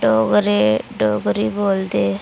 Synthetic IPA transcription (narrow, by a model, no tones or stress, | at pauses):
ɖoːɡɾeɖoːɡɾiboːld̪eː